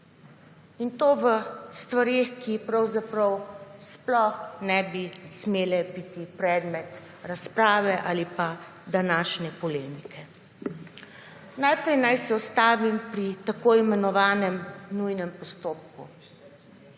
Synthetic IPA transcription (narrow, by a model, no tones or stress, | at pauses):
int̪oːʋəst̪ʋaɾexkipɾawzapɾɐwsplɔxnɛbismeːlɛbit̪ipɾɛːd̪mɛt̪ | ɾaspɾaːʋɛʔalipa | d̪anaːʃnɛpɔleːmikʰɛ | najpɾɛjnajsɛɔst̪aːʋimpɾit̪akoimɛnɔʋaːnɛmnujnɛmpɔst̪oːp̚kṵ